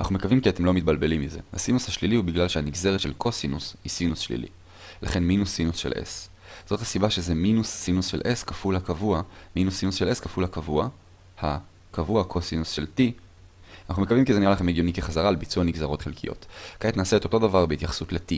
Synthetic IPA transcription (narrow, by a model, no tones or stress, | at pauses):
ana̰χnume̞kavimkiat̪emlomit̚balbe̞limːize̞̰ha̰sinushaʃlilihubiɡlalʃehaniɡze̞ʁet̪ʃelkʰo̞sinushisinusʃlḭlḭ | laχe̞nminusːinusʃe̞̰lʔḛs | z̥o̞thasibaʃezeminusːinusʃelʔeskafulhakavuaminusːinusʃeleskafulhakavua | ha | kavuakʰo̞sinusʃe̞lti | anaχnumekavimkizenialaχe̞meɡjo̞nikeχazaʁalebit͡suaniɡzaʁo̞tχelkʰijo̞̰tkaetnaːseet̪ʰoto̞davaʁbeit̪jaχḁsutleti